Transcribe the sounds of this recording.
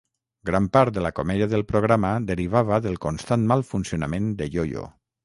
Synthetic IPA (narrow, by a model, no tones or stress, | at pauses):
ɡɾampaɾt̪̚d̪elakomɛðiaðelˠpɾoɣ̞ɾamaðeɾiβ̞aβəðelˠkonst̪anmalˠfunsionamẽnd̪eʎojo̰